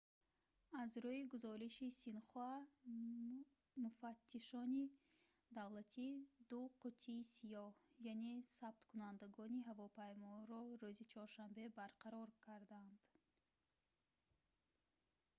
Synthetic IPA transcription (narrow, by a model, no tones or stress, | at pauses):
azɾuiɡuzɔɾiʃisinχua | mufat̪ʰːiʃɔni | d̪avlat̪ʰid̪uqʰut̪ʰiːsijɔhjanesab̚t̪kʰunand̪aɡɔniɦavɔpʰajmɔɾɔɾuzit͡ʃʰɔɾʃambe̞baɾqʰaɾɔɾkʰaɾd̪and̪̥